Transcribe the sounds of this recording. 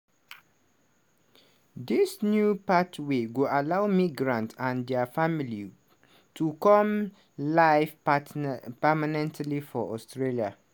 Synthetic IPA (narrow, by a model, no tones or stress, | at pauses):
disnjupatʰweɡualawmiɡɹãntãndɛafamili | tʰukɔ̃m | laɪf | pəmanɛ̃ntʰlifɔʔɔstɹelia